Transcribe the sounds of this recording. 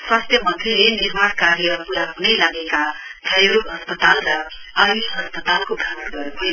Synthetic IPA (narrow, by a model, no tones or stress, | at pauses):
swast̪ʰjʌmʌnt̪ʰrelenirmaɽkaɾijʌpuɾaɦunʌjlaɡekat͡sʰʌjɾukɦʌspʌt̪alrʌ | ʌɾiʌspʌt̪alkoɡʱat̪ɡʌɾuɦʌj